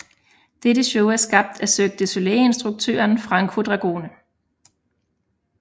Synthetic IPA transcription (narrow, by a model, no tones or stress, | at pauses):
d̥ed̥əɕɔʊæɐsɡ̥ɑ̈b̥̚d̥æsøɡ̥̚d̥əsoleensd̥ʁuɡ̥̚t͡sʰø̰ːɐnfʁɑ̈ŋkʰfuɐd̥ʁɑ̈ɡ̥o̝̰ːnə